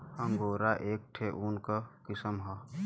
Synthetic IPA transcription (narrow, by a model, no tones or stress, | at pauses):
hɐmɡoːɾaʔeːk̚ʈʰeʔunkakɪsəmɦaː